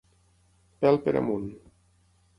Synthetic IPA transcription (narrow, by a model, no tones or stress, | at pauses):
pɛlˠpeɾa̰mun